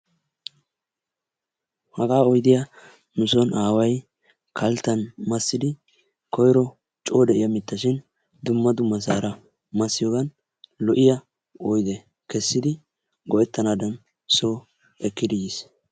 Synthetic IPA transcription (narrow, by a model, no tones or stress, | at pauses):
hɐɡaːɔjd̪ɪjɐ | mʊsɔnʔaːwɐj | kʰɐlt̪ːɐnmɐsːɪd̪ɪ | kʰɔjɾɔ | t͡ʃʼoːd̪ɛʔɪjɐmɪt̪ːɐʃɪn | d̪ʊmːɐd̪ʊmːɐs̬aːɾɐ | mɐsːɪjoːɡɐn | lɔʔɪjɐ | ɔjd̪ɛ | kɛsːɪd̪ɪ | ɡɔʔɛt̪ːɐnaːd̪ɐn | soː | ɛkːɪd̪ɪjis